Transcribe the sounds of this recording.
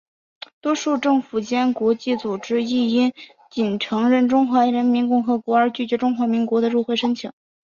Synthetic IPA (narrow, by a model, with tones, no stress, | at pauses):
t̪wɔ˥ʂu˥˧ʈ͡ʂɤ˥˩ŋfu˨˩t͡ɕjɛ˥nkwɔ˧˥t͡ɕi˥˩t͡su˨˩ʈ͡ʂɻ̩˥i˥˩i˥n | t͡ɕi˨˩nʈ͡ʂʰɤ˧˥ŋɻə˥˩nʈ͡ʂʊ˥ŋxwa˧˥ɻə˧˥nmi˧˥nkʊ˥˩ŋxɤ˧˥kwɔ˧˥ə˞˧˥t͡ɕy˥˩t͡ɕɥɛ˧˥ʈ͡ʂʊ˥ŋxwa˧˥mi˧˥ŋkwɔ˧˥d̪ə˧ɻu˥˧xwe˥˩ɪʂə˥ŋt͡ɕʰi˨˩˦ŋ